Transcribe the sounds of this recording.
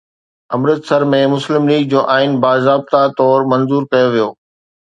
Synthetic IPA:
ɐmɾət̪sɐɾmẽmʊslɪmliːɡ̚d͡ʑoːʔaːɪnbaːzaːb̚t̪at̪ɔːɾmɐ̃nzuːɾkɐjoʋijoː

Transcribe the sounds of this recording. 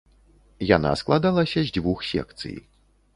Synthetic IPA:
jana̰sklˠad̪alˠɐsʲɐzʲd͡zʲvuxsʲɛ̰k̚t̪sɨ̰j

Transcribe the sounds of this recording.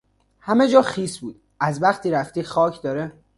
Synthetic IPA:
hæme̞d͡ʒɒːxiːsbuːd̪̥ | æzbæχt̪ʰiːɾæft̪iːxɒːcʰd̪ɒːɾe

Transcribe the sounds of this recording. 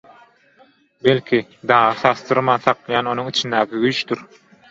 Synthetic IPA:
belʲkʲʰid̪ɑːʁɯsɑst̪ɯɾmɑnθɑqlˠɑjɑːno̞nuŋit͡ʃʰind̪æːkʲʰiɡyjt͡ʃt̪yɾ

